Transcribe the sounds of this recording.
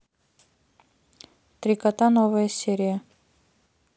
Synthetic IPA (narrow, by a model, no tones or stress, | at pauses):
t̪ɾʲɪkɐt̪anovəjəsʲeɾʲɪjə